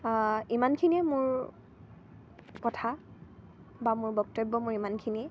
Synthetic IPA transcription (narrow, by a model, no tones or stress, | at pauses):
imankʰiniɛmʊɹ | kɔtʰa | bamʊɹbɔk̚tebːɔmʊɹimankʰiniɛ